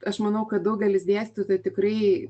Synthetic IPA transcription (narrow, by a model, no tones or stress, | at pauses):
ɐʃmɐnɐʊkɐt̪̚d̪ɐʊɡʲɛlʲɪsd̪ʲæːsʲt̪ʲut̪ɐt̪ʲɪkɾɐɪ